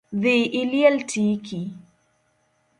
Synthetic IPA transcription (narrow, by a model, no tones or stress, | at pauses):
ðiʔiliɛltʰiki